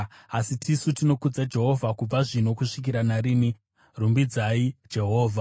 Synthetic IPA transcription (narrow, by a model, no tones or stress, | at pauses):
asitʰisutino̞kud͡zad͡ʒe̞ɦo̞vʱakub͡vaʐin̤o̞kuʂik̬iɾanaɾiːni | rumbid͡zaid͡ʒe̞ɦo̞ːvʱa